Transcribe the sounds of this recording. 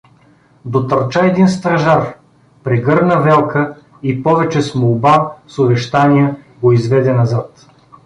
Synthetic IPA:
d̪ot̪ɐɾt͡ʃaɛd̪inst̪ɾɐʒaɾ | pɾɛɡɤɾnəvɛlˠkə | ipɔvɛt͡ʃɛsmolˠbasobɛʃt̪anʲijə | ɡoizvɛd̪ɛnɐzat̪

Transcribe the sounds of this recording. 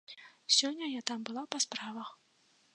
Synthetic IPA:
sʲɔnʲːɐjat̪ambɨlˠapaspɾavɐx

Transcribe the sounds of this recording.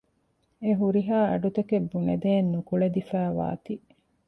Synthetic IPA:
eɦuɾiɦaːɐ̰ɖut̪ɐkebːuned̪eːnːukuɭed̪ifæːʋa̰ːt̪i

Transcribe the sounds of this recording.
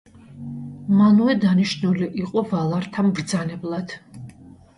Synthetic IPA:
manuɛd̪aniʃnuliʔiqʼɔvalˠaɾt̪ʰambɾd̪zanɛblˠad̪̥

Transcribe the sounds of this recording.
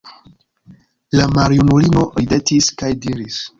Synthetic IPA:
lamaɾiunulino̞ide̞tiskajdiɾis

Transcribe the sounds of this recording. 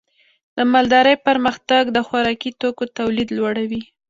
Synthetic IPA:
d̪̥əmald̪ɑɾəjpəɾməxt̪aɡd̪əxaɾɑkit̪okot̪awlid̪lwaɽawi

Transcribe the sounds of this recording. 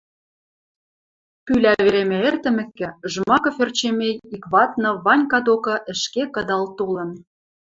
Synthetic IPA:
pylæβeɾemĕert̪ɘ̆mɘ̆kːɘ̆ʒəmɑkɤ̆ført͡ɕemejikβɑt̪̚nɤ̆βɑnʲkɑd̪okɤ̆ʔə̆ʃkekɤ̆d̪ɑlt̪olɤ̆n

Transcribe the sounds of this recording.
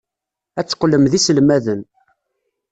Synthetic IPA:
æt͡sːqːlːəmðisəlmæðən

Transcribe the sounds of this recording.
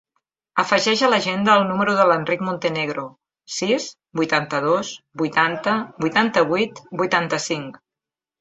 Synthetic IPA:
əfəʒɛʒələʒend̪əːlˠnuməɾuðələnrikmunt̪əneɣɾo | sis | bujt̪ant̪əð̞osbujt̪ant̪əbujt̪ant̪əβ̞ujt̪bujt̪ant̪əsiŋk

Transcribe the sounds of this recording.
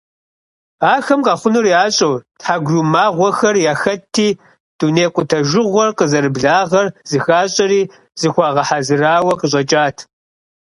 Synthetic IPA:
aːxɐmqʼɑːχʷʊnuriaːɕʼowtħaɡʷʒuːmaːʁʷɔxɐrjaːxɐtʰːiː | d̥uːneːqʷʼʊtʰɐʒɪʁʷɔrqəzɐɾɨbɮaːʁɐrz̥ɨxaːɕʼɐɾiː | z̥ɨxʷɑːʁɐħazɨraːwɐqəɕ̬ʼɐt͡ʃʼaːtʰ

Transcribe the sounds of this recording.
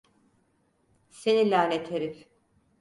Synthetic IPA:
se̞nilʲaːnet̪ʰeɾiɾ

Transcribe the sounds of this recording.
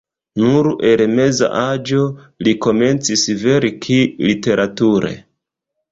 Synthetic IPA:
nuɾe̞lme̞za̰ʔad͡ʒo̞ | liko̞me̞nt͡sisve̞ɾikʰilite̞ɾʔatuɾe̞̰

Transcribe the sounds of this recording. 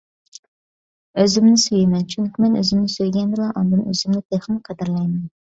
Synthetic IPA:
øzɪmnɪsyjɪmɛnt͡ʃʰyŋkʲimɛnø̰zɪmnɪsøjɡʲɛnd̪ɨlˠɑʔɑnd̪ɨnø̰zɪmnɪt̪ʰeχmqʰæd̪ɪɾlˠɑjmɛn

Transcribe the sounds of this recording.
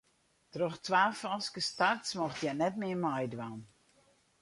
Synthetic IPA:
trɔxtʋaːfɔskəstartsmɔxtjɛnɛtmɪəmɔjdʋan

